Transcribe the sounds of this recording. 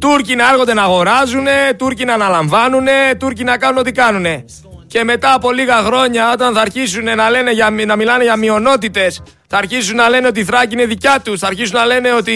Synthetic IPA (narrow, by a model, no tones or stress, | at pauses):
t̪uɾcinɐeɣod̪e̞nɐːɣo̞ɾɐzune̞t̪uɾcinɐːnɐlɐɱvɐnune̞t̪uɾcinɐkɐnuno̞t̪ikɐnune̞ | ce̞me̞t̪ɐːpo̞liɣɐxɾo̞ɲɐo̞t̪ɐnθɐːɾçisune̞nɐle̞ne̞ʝɐnɐmilɐneʝɐmio̞no̞t̪it̪e̞s | θɐːɾçisunːɐle̞ne̞o̞t̪iθɾɐcine̞ðicɐt̪usθɐːɾçisunːɐle̞ne̞o̞t̪i